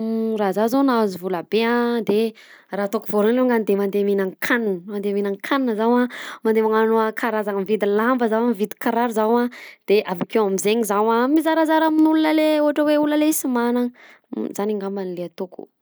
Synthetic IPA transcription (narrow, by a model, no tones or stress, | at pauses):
razazonazivulabeãd̪erat̪okuvoɾonleŋɡand̪emand̪eminaŋkʰaninəmand̪eminaŋkʰaninəzawãmand̪emaŋanoakʰaɾazaŋamivid̪ilambəzawamivit̪i̥kaɾaɾuzawad̪̥eʔavakewamizeɲizawamizaɾazaɾaminulunəleuaʈ͡ʂəweuləlesimana | zaniŋɡamanileat̪uku̥̰